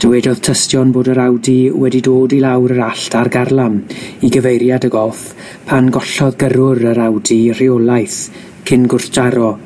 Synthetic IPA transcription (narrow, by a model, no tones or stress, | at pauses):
d̥əwɛdɔð̥tʰəstjɔnboːdəɾawdiwɛdidoːdilawɾəɾaɬtarɡarlˠamiɡəvejɾjadəɡɔlˠf | pʰanɡɔɬɔðɡəɾʊɾəɾawdir̥iɔlˠajθ | kʰɪnɡʊrθd͡ʒaɾɔ